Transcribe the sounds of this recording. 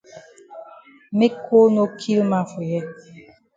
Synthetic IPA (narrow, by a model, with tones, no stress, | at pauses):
me˦kʰo˦no˦kʰi˦lma˦fo˨jɛ˦